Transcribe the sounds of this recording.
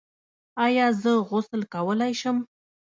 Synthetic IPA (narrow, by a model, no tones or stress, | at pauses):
ɑjɑzəɣʊsəlkawəlajʃəm